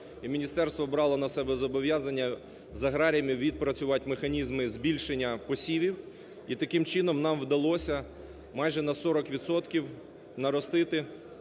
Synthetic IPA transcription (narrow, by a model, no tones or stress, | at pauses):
imʲinʲist̪ɛrst̪ʋɔbɾɑlˠɔnɐsɛbɛzɔbɔʋjazɐnʲːɐ | zɐɦɾɑɾʲijɐmʲiwʋʲid̪̚pɾɐt͡sʲʊʋɑtʲmexɐnʲizmɪzbʲilʲʃenʲːɐpɔsʲiʋʲiw | it̪ɐkɪmt͡ʃɪnɔmnɑmwd̪ɐlˠɔsʲɐ | mɑjʒɛnɐsɔɾɔkʋʲid̪sɔt̪kʲiw | nɐɾɔst̪ɪt̪ɪ